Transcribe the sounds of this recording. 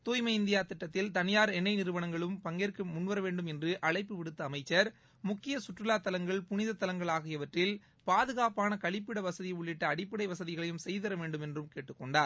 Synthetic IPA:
t̪oːjmɐɪɪnd̪ɪjaːt̪ɪʈːɐt̪ːɪlt̪ɐnɪjaːɾɛnːɐɪnɪɾɯʋɐɳɐŋɡɐɭɯmpɐŋɡeːɾkɯmʊnːʋɐɾɐʋeːɳɖɯmɛndrɯʔɐɭɐɪpːɯʋɪɽɯt̪ːɐːmɐɪt͡ʃːɐɾ | mʊkːɪjɐsʊʈrɯlaːt̪ːɐlɐŋɡɐɭpʊnɪðɐt̪ːɐlɐŋɡɐɭaːɣɪjɐʋɐʈrɪl | paːðɯɣaːpaːnɐkɐɭɪpːɪɽɐʋɐsɐðɪjʊɭːɪʈːɐːɽɪpːɪɽɐɪʋɐsɐðɪɣɐɭɐjɯmsɛjðɐɾɐʋeːɳɖɯmɛndrɯmkeːʈːɯkːɔɳɖaːɾ

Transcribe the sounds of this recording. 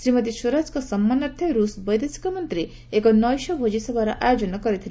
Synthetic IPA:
sɾimɔt̪̬isuɾad͡ʒkɔsɔmːanɔɾt̪ʰjɔɾusbɔjd̪esi̥kɔmɔnt̪ɾi | ekɔnɔjʃɔbʱod͡ʒisɔbʱaɾɔʔajod͡ʒɔnɔkɔɾit̪ʰil

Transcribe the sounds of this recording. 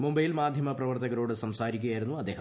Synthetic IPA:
mumbɐjilmaːd̪ʱjɐmɐprɐʋɐrt̪ɐɣɐɾoːɽɨsɐmsaːɾikʲːujaːjiɾunːuɐd̪ːeːɦɐ

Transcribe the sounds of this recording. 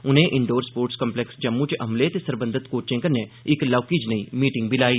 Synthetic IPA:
ʊnɦẽʔɪɳɖoːɾspoːɾʈskə̃mplɛksd͡ʒəmːũt͡ʃʔɐmlet̪esəɾbə̃nd̪ʱət̪koːt͡ʃẽːŋkəɾneɪklaːkid͡ʒnəiːmiːʈɪ̃ŋɡbɪlaːiː

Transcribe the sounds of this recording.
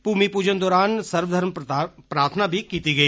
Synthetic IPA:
puːmipuːd͡ʒənd̪ɔːɾaːnsɐɾʋəd̪ʱəɾmpɾaːɾt̪ʰənabʱikiːt̪iɡɐiː

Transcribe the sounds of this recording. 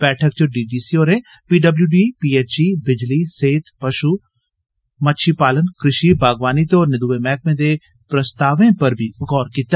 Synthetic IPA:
b̥ɛːʈʰək̚t͡ʃoɖiːɖiːsioːɾẽ | piːɖɐbljuːɖiːpiːeːt͡ʃibɪd͡ʒliseːt̪pɐʃuː | mətːʃʰipaːlənkɾɪʃibʱaːɡʋaːnit̪ɔːɾnɪd̪uːʋemɛːkmẽd̪e | pɾəst̪aːʋẽpɐɾbʱiʊɡɔːɾkiːt̪ːa

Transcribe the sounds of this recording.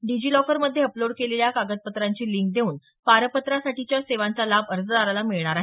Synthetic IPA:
ɖid͡ʑiːlɔkəɾməd̪ʱːjeəploɽkeleljakaɡət̪̚pət̪ɾaɲt͡ɕiːliŋk̚d̪ʱeuːn | paɾəpət̪ɾasaʈit͡ɕjaseʋant͡salabəɾd͡zəd̪aɾalamiɭɳ̃aɾaɦe

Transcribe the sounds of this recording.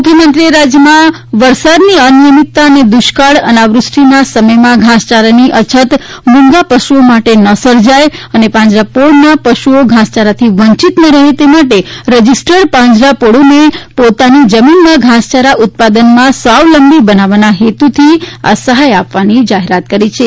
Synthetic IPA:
mukʰjəmənt̪ɾieɾad͡ʒjəmã | ʋəɾsad̪niənijəmit̪ːaəned̪uʃkaɽənaʋɾʊsʈinasəməjmãɡʱãst͡ʃaɾaniʔət͡ʃʰət̪mũŋɡapəʃuomaʈenəsəɾd͡ʒajənepãɲd͡ʒlapoɽnapəʃuoɡʱãst͡ʃaɾat̪ʰiʋəɲt͡ʃit̪nəɾəɦet̪emaʈeɾəd͡ʒisʈəɽpãɲd͡ʒɾapoɽonepot̪anid͡ʒəminmãɡʱãst͡ʃaɾaʔʊt̪̚pad̪ənmãsəʋləmbibənaʋanaɦet̪ut̪ʰia̰səɦajapʋanid͡ʒaɦeɾat̪̚kəɾit͡ʃʰe

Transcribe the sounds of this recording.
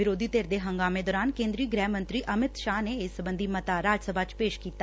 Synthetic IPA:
ɪɾoːd̪ʱiːt̪eːɾd̪eɦə̃ŋɡaːmed̪ɔːɾaːnkẽːnd̪ɾiːɡɾɛːmə̃nt̪ɾiːʔəmɪt̪ʃaːneɪssəbə̃nd̪ʱimət̪aɾaːd͡ʒsəbʱaːt͡ʃpeːʃkiːt̪aː

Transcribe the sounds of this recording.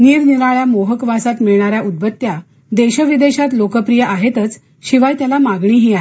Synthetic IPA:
niːɾniɾaɭjamoɦəkʋasat̪miɭɳaɾjaʔud̪̚bət̪ːja | d̪eɕəʋid̪eɕat̪lokəpɾijəʔaɦet̪ət͡s | ɕiʋajt̪jalamaɡɳ̃iːɦiːaɦe

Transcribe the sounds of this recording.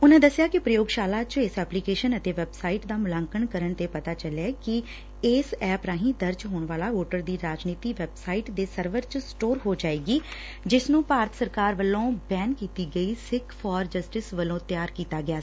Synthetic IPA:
ʊnãːd̪əsjaːkɪpɾəjoːɡʃaːlaːt͡ʃɪsɛːpliːkeːʃənət̪eːʋɛːbsaːiʈd̪aːmʊlãːŋkəɳkəɾəɳt̪eːpət̪aːt͡ʃəljaːkɪ | eːsɛːpɾaːɦĩːd̪əɾd͡ʒɦoːɳʋaːlaːoːʈəɾd̪iːɾaːd͡ʒniːt̪iːʋɛːbsaːiːʈd̪eːsəɾʋəɾt͡ʃsʈoːɾɦoːd͡ʒaːeːɡiː | d͡ʒɪsnũːpaːɾət̪ʰsəɾkaːɾʋəlõːbɛːnkiːt̪iːɡəiːsɪkfʰɔːɾd͡ʒəsʈɪsʋəlõːt̪jaːɾkiːt̪aːɡɪaː

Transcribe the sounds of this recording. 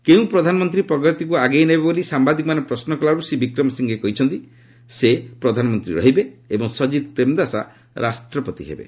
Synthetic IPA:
keũpɾɔd̪ʱanɔmɔnt̪ɾipɾɔɡʱɾɔt̪ikuaɡejnebbolisambad̪ikɔmanepɾɔsnɔkɔlaɾusibikɾɔmɔsiŋɡekɔɦit͡ʃʰɔnt̪i | sepɾɔd̪ʱanɔmɔnt̪ɾḭɾɔ̰ɦibeebɔŋsɔd͡ʒid̪pɾemd̪asa̰ | ɾʔasʈɾɔpɔt̪iɦḛbḛ

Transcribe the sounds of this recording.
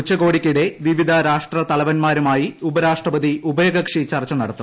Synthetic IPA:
ut͡ɕːɐɣo̞ːɽikʲːuɽe̞ʋiʋid̪ʱɐɾaːʂʈrɐt̪ɐlɐʋɐnmaːɾumaːjiubɐɾaːʂʈrɐbɐd̪iubɐjoɡɐkʂit͡ɕɐrt͡ɕːɐnɐɽɐt̪ːu

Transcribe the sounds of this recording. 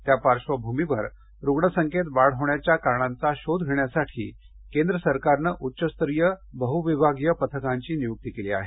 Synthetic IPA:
t̪japaɾʂʋəbʱumiʋəɾ | ɾuɡɳəsəŋket̪ʋaɽɦoɳjat͡ɕjakaɾɳant͡saɕod̪ʱɡʱeɳjasaʈʰḭː | kẽnd̪ɾəsəɾkaɾnəʔutːɕəst̪ɾijəbəɦuʋibʱaɡjəpət̪ʰəkaɲt͡ɕiːnijuk̚t̪ikelia̰ɦe

